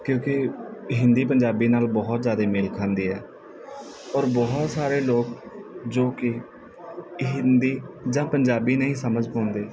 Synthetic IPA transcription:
kjõːkɪɦɪnd̪iːpəɲd͡ʒaːbiːnaːlbɔɦt̪zjaːd̪eːmɪlkʰãːnd̪iːɦɛː | ɔːɾbɔːɦt̪saːɾeːloːk̚d͡ʒoːkɪ | ɦɪnd̪iːd͡ʒãːpəɲd͡ʒaːbiːnəĩːsəməd͡ʒpãːnd̪eː

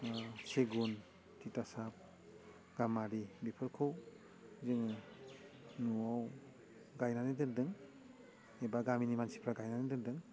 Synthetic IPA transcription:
seɡun | titasap̚ | ɡ̥amaɾibipʰɯɾkʰɯw | zɯŋɯ | nuaw | ɡajnanidɯɾdɯŋ | ebaɡaminimansi̥pʰɾaɡajnanidɯɾdɯŋ

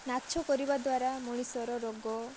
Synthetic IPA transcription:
natːt͡ʃʰɔkɔɾibad̪waɾamɔɽ̃isɔɾɔɾɔɡɔ

